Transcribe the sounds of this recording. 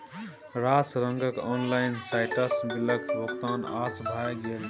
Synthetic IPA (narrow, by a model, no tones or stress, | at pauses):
ɾasɾəŋɡəkɔnlaɪnsaɪʈəsbiləkɾokt̪aːnaːsbʱajɡel